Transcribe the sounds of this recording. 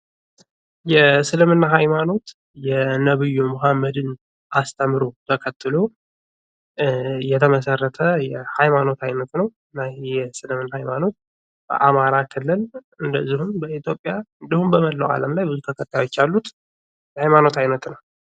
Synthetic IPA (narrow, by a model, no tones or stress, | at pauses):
jɛsɨlɨmɨnːaɦajmano̞t̪ | jɛnəβɨjːumoɦamːəd̪ɨn | ʔast̪ʰəmɾo̞t̪ʰəkʰət̪ʰːɨlo̞ | jɛt̪ʰəməsərːət̪ʰəjɛhajmano̞t̪ʰajnət̪nəwɨnːajɛsɨlɨmɨnːahajmano̞t̪̚ | b̥ə̰ʔamaɾakʰɨlːɨl | ɨnd̪əzːihumbəit̪ʰjo̞pʼːjaɨnd̪ihumbəməlːəwa̰ləmlajbɨzut̪ʰəkʰət̪ːajo̞t͡ʃːalːut̪ | jɛhajmano̞t̪ʰajnət̪nəw